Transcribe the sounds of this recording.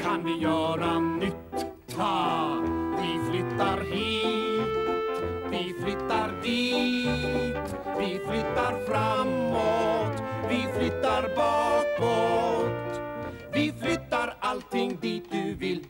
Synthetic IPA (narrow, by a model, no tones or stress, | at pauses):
kʰanvɪjœːɾanʏt̪ʰː | a | vɪflʏt̪ːaɾhe | vɪflʏt̪ːaɾd̪iː | t̪ | vɪflʏt̪ːaɾfɾamːot̪vɪflʏt̪ːaɾbɑːkɔt̪ | vɪflʏt̪ːaɾalt̪ʰɪŋːd̪iːt̪̚d̪ʉvɪlː